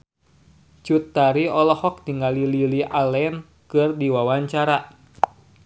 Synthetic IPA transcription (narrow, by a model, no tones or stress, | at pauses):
t͡ʃut̪ːaɾiɔlɔhɔk̚t̪iŋɡalililiʔalɛn | kɨrdiwawaɲt͡ʃaɾa